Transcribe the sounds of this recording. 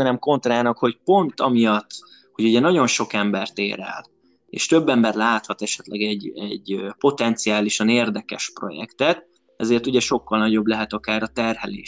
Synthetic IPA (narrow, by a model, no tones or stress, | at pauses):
nɛmko̞nt̪raːnɒkho̞cpo̞nt̪ɒmijɒt̪ː | hoɟuɟɛnɒɟo̞nʃo̞kɛmbɛrt̪ḛːɾɛ̰l | ḛːʃt̪ø̞bːɛmbɛrlaːt̪hɒt̪ɛʃɛt̪lʔɛ̰ɡɛɟɛɟpo̞t̪ɛnt̪sijaːliʃɒneːrd̪ɛkɛʃpro̞̰jɛ̰kt̪ɛt̪ | ɛzeːrt̪uɟɛʃo̞kːɒlnɒɟoblɛɦɛt̪ɒkaːɾɒt̪ɛrɦɛlḛːʃ